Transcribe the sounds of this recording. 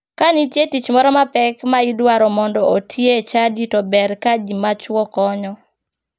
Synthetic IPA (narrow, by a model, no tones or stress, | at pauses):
kanitjetit͡ʃmɔɾɔmapɛkmaidwaɾɔmɔndɔotʰjet͡ʃaditɔbɛɾkaɡimat͡ʃwɔkɔɲɔ